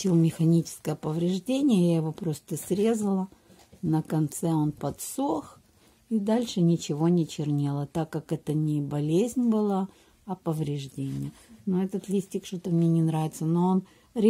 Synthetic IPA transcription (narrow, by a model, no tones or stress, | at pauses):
ilˠmʲɪxɐnʲit͡ɕɪ̥skəjəpəvɾʲɪʐdʲenʲɪjəjajɪvo̞pɾo̞st̪əsʲɾʲe̞zəlˠə | nəkɐnt̪sɛo̞npɐt̪sux | id̪alʲʂɨnʲɪt͡ɕɪvo̞nʲɪt͡ɕɪrnʲelˠət̪akːakɛt̪ənʲɪbɐlʲezʲnʲbɨlˠa | ɐpəvɾʲɪʐdʲenʲɪjənoɛt̪ət̪lʲisʲtʲɪkʂt̪ot̪əmnʲenʲɪnɾavʲɪt̪səno̞on | ɾʲ